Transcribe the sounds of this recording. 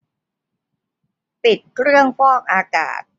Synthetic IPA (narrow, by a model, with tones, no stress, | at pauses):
pi˨˩t̪̚kʰɾɯ˥˩əŋfɔː˥˩ŋ̚ʔaː˧ka̰ː˨˩t̪̚